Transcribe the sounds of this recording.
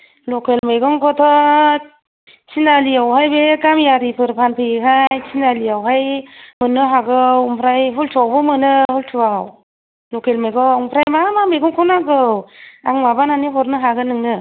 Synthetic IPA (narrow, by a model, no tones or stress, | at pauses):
lɔkʰelmajɡɯŋkʰɔtʰɔ | t͡ʃʰinaliawɦajbekamjaɾipʰɯɾpʰanpʰɯjkʰajt͡ʃʰinaliawɦajmɯnɯɦaɡɯumpʰɾajɦultʰuawbɯmɯnɯhultʰuaw | lɔkʰelmajɡɯumpʰɾajmamameɡɯŋkʰunaɡɯwaŋmabananiɦɔɾnɯɦaɡɯnɯŋnɯ